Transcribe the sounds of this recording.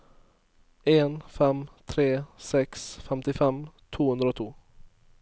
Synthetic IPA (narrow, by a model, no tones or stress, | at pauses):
enfɛmt̪ʰɾeːsɛksfɛmt̪ɪfɛmt̪ʰuːhɵnɾəɔt̪ʰuː